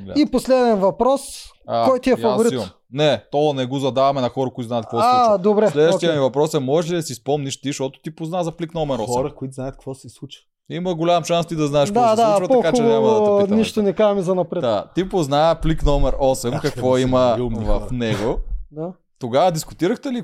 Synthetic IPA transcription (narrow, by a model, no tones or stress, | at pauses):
iposlɛd̪ɛnvɐpɾɔs | akɔjt̪iɛɐvoɾit̪im | nɛt̪ɔɐnɛɡozɐd̪avɐmɛnɐxɔɾɐkʊit̪zaɛt̪kvɔad̪obɾɛlɛd̪vʃijəmivɐpɾɔsɐmɔʒɛʃ̬lid̪ɐsispɔmniʃt̪iʃt̪ɔt̪ʊ̥t̪ipoznazɐpliknɔmɛɾɔsɾɐkoit̪zajɐt̪̚kvɔsɛslˠut͡ʃə̥ | imɐɡolʲamʃanst̪id̪ɐznaɛʃkk̪ɔad̪at͡ʃvɐtpɐɔkakt͡ʃʊɛnoamɐd̪ɐniʃt̪ʊnɛkaʒɐmizɐnɐpɾɛt̪at̪ipoznajəpliknɔmɛɾɔsɛmkɐkvɔimɐvɐfnɛɡod̪a | t̪oɡavɐd̪iskʊt̪iɾɐxt̪ɛli